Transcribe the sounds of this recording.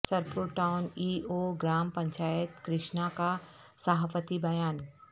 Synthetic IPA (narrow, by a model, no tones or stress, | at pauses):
sɐɾpuɾʈaʊniːoɡɾaːmpɐ̃ɲt͡ʃaːjət̪kɾɪʃnaka | saɦpət̪ibɐjaːn